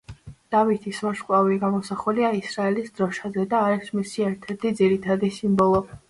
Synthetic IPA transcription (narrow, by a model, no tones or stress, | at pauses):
d̪̥avit̪ʰisvaʃkʼwaviɡamɔsaχuliaisɾaɛlisd̪ɾɔʃazɛd̪aːɾɛkʰsmisiɛɾt̪ʰɛɾt̪ʰid̪ziɾit̪ʰad̪isimbɔlˠɔ